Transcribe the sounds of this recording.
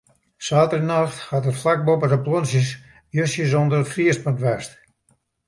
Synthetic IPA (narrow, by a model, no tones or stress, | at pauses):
saːtərənaxthaːtətflak̚bopədəplonsjəs | jøsjəs̬ondərətfriəspəntʋɛst